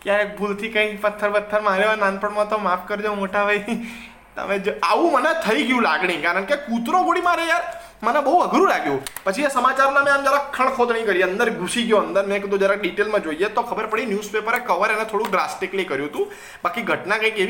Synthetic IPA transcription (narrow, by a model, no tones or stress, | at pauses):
kjaɾek̚bʱult̪ʰikə̃ĩpət̪ʰːəɾpət̪ʰːəɾmãɾjoanãnpəɳmãt̪omafkəɾd͡ʒaũmoʈabʱaj | t̪ə̰mẽd͡ʒaʋũmənet̪ʰəiɡjũlaɡɳikaɾəɳkekut̪ɾoɡʱoɽimãɾea | mənɛbəɦuəɡɾũlaɡjũpət͡ʃʰiasəmat͡ʃaɾmãmẽamd͡ʒaɾakʰːəɳ̃kʰod̪nə̃ĩkəɾiənd̪əɾɡʱusiɡjoənd̪əɾmɛ̃kəd̪õd͡ʒaɾeɖiʈelmãd͡ʒoiet̪okʰəbəɾpəɽinjuspepəɾekəʋəɾenet̪ʰoɽũɖɾasʈɪklikəɾjuɦət̪ũ | bakiɡʱəʈnãkə̃ĩkeʋ